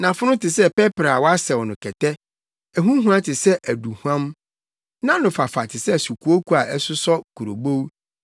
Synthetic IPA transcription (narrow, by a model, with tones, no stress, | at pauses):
nã˨fʊ˦nʊ̃˦tʰɪ˨sɛ˦pɛ˦pɾa˨wɔ˦a˦sɛ˨wɔ˨nʊ̃˨kʰɛ˨tʰɛ˦ | ɛ˨ɦũ˦ɦũ˦ã˦tʰɪ˨sɛ˦ʔæ˨du˨hu˦ã˦m | nã˦nʊ̃˨fa˨fa˨tʰɪ˨sɛ˦˨su˨ku˨˦o˦kʰu˦a˨ʔɛ˦sʊ˦sɔ˦kʰu˨ɾo̰˨bo˦w